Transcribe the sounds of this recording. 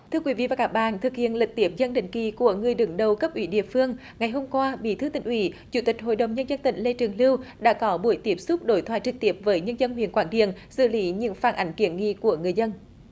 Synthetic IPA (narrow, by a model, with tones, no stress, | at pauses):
t̪ʰɨ˧əkwi˨˦vḭ˧˨vaː˨˩kaː˦˥k̚ɓa̰ː˧˨nt̪ʰɨ˨˩k̚hḭ˧˨ənlɨ˨˩k̚t̪i˦əp̚zə˧nɗḭ̈˧˨ŋ̟ki˧˨˩ku˧˩əŋɨ˨˩əjɗɨ˨˩˦ŋɗə˨˩wkə˦˥p̚ʔwi˧˨˦ɗḭ˧˨əfɨ˧əŋ | ŋa˨˩jɦo˧mkwaː˧ɓḭ˧˩t̪ʰɨ˨˦t̪ï˨˩ŋ̟ʔwi˧˩˦t͡ɕu˧˩t̪ï˨˩k̟̚ɦo̰˧˨jɗə˨˩wŋ͡mɲə˧nzə˧nt̪ḭ̈˧˩ŋ̟le˧t͡ɕɨ˨˩əŋli˧wɗa̰ː˧˥kɔ˨˦ɓu˧˩əjt̪i˦˥əp̚sʊ˦˥k͡p̚ɗo˨˦jt̪ʰwaː˧˨jt͡ɕɨ˨˩k̚t̪i˦˥əp̚vəː˨˦jɲə˧nzə˧nhwḭ˧˨ənkwaː˧˦˩nɗḭ˧˨ənsɨ̰˧˨li˨˦ɲɨ̰˧˨əŋfaː˧˩nʔa˨˦jŋ̟ki˧˩ənŋḭ˧˨ku˧˩əŋɨ˨˩əjzə˧n